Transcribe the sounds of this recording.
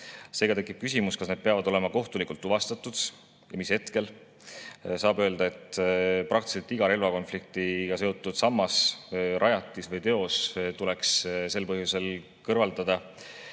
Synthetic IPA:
se̞ːɡ̥ɑt̪e̞kːˑip̚kys̬ʲimuskɑsne̞d̪̥̚peɑvɑd̪o̞le̞mɑko̞ht̪ulikult̪ːˑuvɑst̪ɑt̪ːˑud̪̥ | jɑmishe̞t̪ke̞l | sɑːbø̞ːld̪ɑe̞t̪pɾʔɑk̚t̪i̥selt̪ːiɡ̥ɑɾe̞lvɑko̞nflik̚t̪iɡ̥ɑse̞ot̪ːˑud̪̥sɑmːɑsɾʔɑjɑt̪ːˑisvɤjt̪e̞o̞st̪ule̞ksse̞lpɤɦjuse̞l | kɤrvɑld̪ɑd̪̥ɑ

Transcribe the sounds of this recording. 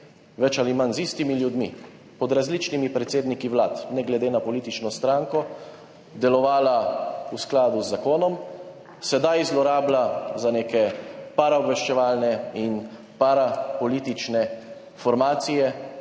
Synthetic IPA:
ʋɛt͡ʃalimanzist̪imiljud̪mḭ | pɔd̪ɾazliːt͡ʃnimipɾɛt̪seːd̪nikiʋlaːt̪nɛɡlɛd̪eːnapɔliːt̪it͡ʃnɔst̪ɾaːŋkɔ | d̪ɛlɔʋaːlausklaːd̪uzːakoːnɔm | sɛd̪ajzlɔɾaːblazaneːkɛpaɾaɔbʋɛʃt͡ʃɛʋaːlnɛin | paɾapɔliːt̪it͡ʃnɛ | fɔɾmaːt̪sijɛ

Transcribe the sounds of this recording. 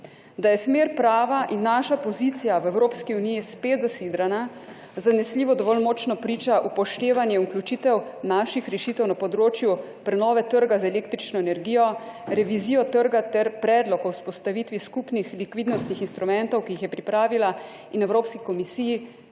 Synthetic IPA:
d̪ajɛsmeːɾpɾaːʋaʔinːaʃapɔzit̪sijaʋɛwɾoːpskiunijispeːt̪zasiːd̪ɾana | zanɛsliːʋɔd̪ɔʋɔlmɔt͡ʃnɔpɾiːt͡ʃaʔupɔʃt̪eːʋanjɛuklʲut͡ʃit̪ɛwnaʃixɾɛʃit̪ɛwnapɔd̪ɾoːt͡ʃju | pɾɛnɔːʋɛt̪əɾɡazaɛleːkt̪ɾit͡ʃnɔɛnɛɾɡiːjɔɾɛʋiziːjɔt̪əɾɡat̪ɛɾpɾɛːd̪lɔkɔwspɔst̪aʋit̪ʋiskupnixlikʋid̪nɔst̪nixinst̪ɾumɛnt̪ɔwkijixjɛpɾipɾaːʋila | inɛwɾoːpskikɔmisiːji

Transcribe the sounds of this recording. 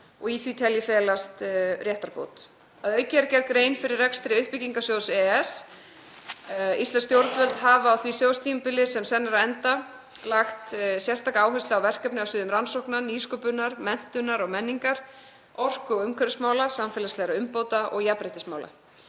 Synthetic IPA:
ɔɣiθvit̪ʰɛljɪfɛːlast̪rjɛht̪aɾpo̰ːwt̪ | aðœɥcɛɾcɛɾkɾeːjnfɪɾɪrːɛkst̪ɾɪʏhpɪciŋkasjowsɛɛs | ist̪anst̪jowɾt̪vœlt̪haːvaːwθvisjowst̪ʰiːmpɪlɪsɛmsɛnːaɾaðɛnt̪a | laxt̪sjɛrst̪akaaːwɦœst̪ʏawvɛr̥kœpnɪawsɪːðʏmɾansowhknaniːskɔpʏnːaɾmɛn̥t̪ʏnːaɾɔɣmɛnːiŋkaɾ̥ | ɔr̥kʏɔɣʏmkʰɛɾʏsmaːwlasamfɛːlast̪lɛɣɾaʏmpoːwt̪aʔɔɣjapɾɪjht̪ɪsmaːwla̰

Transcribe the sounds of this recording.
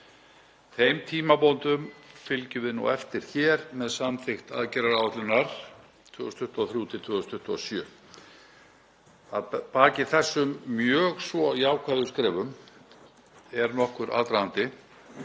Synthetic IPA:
θejmt̪ʰiːmapɔnt̪ʏmfɪlcʏvɪðnṵɛft̪ɪɾ̥çɛːɾmɛðsamθɪxt̪a̰ðcɛɾaɾawat̪lʏnːaɾ̥ | t̪ʰvœːɣʏst̪ʰʏht̪ɔθɾjuːt̪ʰɪ̥t̪ʰvœːɣʏst̪ʰʏht̪ɔ̰sjœː | a̰ðpaːcɪθɛsːʏmːjœːɣsvɔiaːwkʰvaːðʏskɾɛːvʏm | ɛɾnɔhkʏɾʔa̰ːðt̪ɾahant̪ɪ

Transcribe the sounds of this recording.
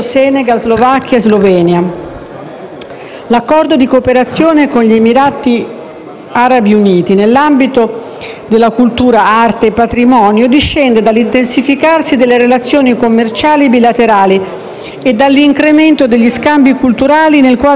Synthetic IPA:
sɛneɡalzlovakːjaezlovɛːnja | lakːɔrd̪od̪ikopeɾat̪sːjoːnekonʎiemiɾaːt̪i | aɾabiuniːt̪inelːambit̪o | d̪elːakult̪uːɾaart̪eːpːat̪ɾimɔːnjod̪iʃːɛnd̪ed̪alːint̪ensifikarsid̪elːeɾelat̪sːjoːnikomːert͡ʃaːlibilat̪eɾaːli | ed̪alːiŋkɾement̪od̪eʎːiskambjikult̪uɾaːlinelkwaː

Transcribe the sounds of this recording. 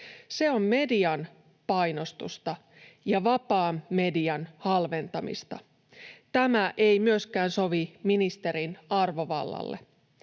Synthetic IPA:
se̞o̞mme̞diɑn | pɑjno̞st̪ṵst̪ɑ | jɑʋɑpɑːmme̞diɑnhɑlʋe̞nt̪ɑmḭst̪ɑ | t̪æmæʔe̞jmyøskæːnso̞ʋiminist̪e̞ɾinɑrʋo̞ʋɑ̰lːɑ̰lːḛ

